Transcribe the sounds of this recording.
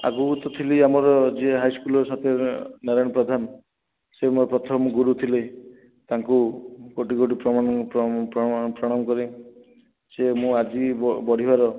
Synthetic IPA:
a̰ɡuut̪ɔt̪ʰiliamɔɾɔd͡ʒeɦajskulɔsat̪ʰenaɾɔjɽ̃ɔpɾɔd̪ʱan | semoɾɔpɾɔt̪ʰɔmɡuɾut̪ʰile | t̪aŋkukoʈiɡoʈ̬ipɾɔmãppɾɔpɾɔɽ̃amɔkɔɾe | semũad͡ʒiɔbɔɽ̤ibaɾɔ

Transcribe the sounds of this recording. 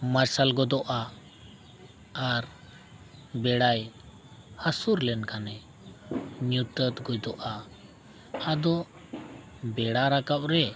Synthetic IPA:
maɾsalɡɔd̪ɔʔa | aɾ | bɛɽaj | hasuɾlɛnkanɛ | ɲut̪ət̪ɡujd̪ɔʔa | ad̪ɔ | bɛɽaɾakap̚ɾɛ

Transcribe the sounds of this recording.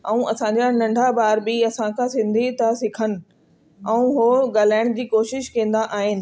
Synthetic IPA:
ɛ̃ũʔɐsãɲd͡ʑanɐ̃ɳɖʱabaːɾbɪɐsãkʰãsɪ̃nd̪ʱit̪asɪkʰənɪ̆ | ɛ̃ũɦoɠaːl̤aːɪɽ̃d͡ʑiːkoːʃɪʃkɐ̃ːn̆d̪aʔaːɦɪnɪ̆

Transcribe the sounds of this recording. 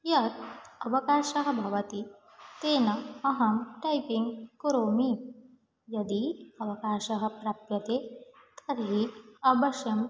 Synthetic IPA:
jɐt̪̚ɐʋɐkaːʃɐɦɐ̆bʱɐʋɐt̪i | t̪eːnɐɐɦɐmʈɐjpiŋɡkuɾoːmi | jɐd̪iɐʋɐkaːʃɐɦɐ̆pɾɐːpjɐt̪eːt̪ʰɐɾɦiɐbɐʃjɐm

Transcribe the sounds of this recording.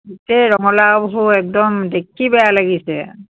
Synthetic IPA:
itɛɹɔŋɔlabɔɦuɛk̚dɔmdekʰːibɛjalaɡisɛ

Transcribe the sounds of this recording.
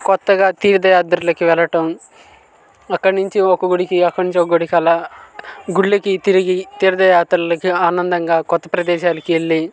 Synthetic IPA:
kɔt̪ːɐɡaːt̪iːɾɐd̪ɐjaːt̪ɾulɐkiʋɛlɐʈɐm | ɐkːɐɽnuɲt͡ʃiɔkɐɡuɽikiɐkːɐɽnuɲt͡ʃiokɐɡoɽikɐlaː | ɡuɭːikit̪iɾiɡit̪iːɾɐd̪ɐjaːt̪ɾɐlɐkiaːnɐnd̪ɐŋɡaːkɔt̪ːɐpɾɐd̪ɛːʃaːlɐkieɭːi

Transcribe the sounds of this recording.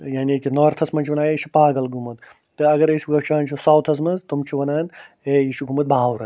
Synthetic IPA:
jaːnkinoːɾt̪ʰɐsmɐnt͡ʃʰiʋɐnaːjiʃʰipaːɡɐlɡumɐt̪ | t̪ɨɐɡɐɾisʲiɡɐʃʰaːnt͡ʃʰusaːwt̪ʰɐs̬mɐnzt̪umt͡ʃʰuʋɐnaːn | eiʃuɡumɐt̪̚bʱaːwɾɐ

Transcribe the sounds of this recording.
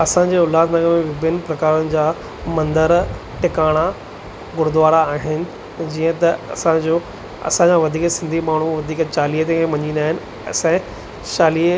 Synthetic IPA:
ɐsãɲ̆d͡ʑeːʊlaːd̪nɐɡəɾmẽʋɪbɪnɪ̆pɾɐkaːɾʊnɪ̆d͡ʑaː | mɐ̃nd̪əɾ | ʈɪkaːɽ̃a | ɡʊɾd̪ʊʋaːɽaːɦɪnɪ̆ | d͡ʑiːə̃t̪ɐɐsãd͡ʑoː | ɐ̰sãɲd͡ʑãʋɐd̪ʱiːksɪ̃nd̪ʱimaːɳ̤uʋɐd̪ʱiːkt͡ɕaːliːɦət̪ẽkẽmɐɲiːnaːɦɪnɪ̆ | ɐ̰sɛ̃ | ʃaːliː

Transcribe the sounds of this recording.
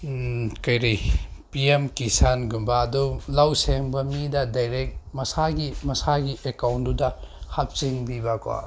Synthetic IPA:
kɐjɾijpiemkisanɡumbɐːdulawseŋbɐmidɐdajɾek̚mɐsaɡimɐsaɡiʔekawndudɐhap̚siŋbibɐka̰

